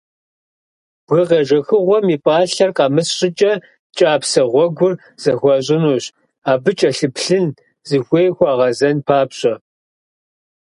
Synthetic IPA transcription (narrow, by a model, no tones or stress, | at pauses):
b̥ɣɨʁɐʒɐxɨʁʷɔmipʼaːɬɐrqɑːmɨsɕʼɪt͡ʃʼɐ | t͡ʃʼaːpsɐʁʷɔɡʷʊr | z̥ɐxʷɔɕ̬ʼɪnuːɕ | aːbɨt͡ʃʼɐɬɨpɬɨn | zɨxʷeːjxʷaːʁɐzɐnpʰaːpɕʼɐ